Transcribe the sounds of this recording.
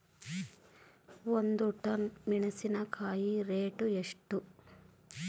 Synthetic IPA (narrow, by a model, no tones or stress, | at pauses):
ond̪uʈɐnmiɳɐsinɐkʰaːjiɾeːʈueʂʈu